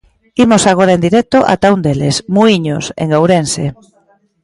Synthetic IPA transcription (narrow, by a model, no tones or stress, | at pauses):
imosaɣ̞oɾaend̪iɾɛk̚t̪oʔa̰t̪aund̪elesmuiɲosḛŋowɾensḛ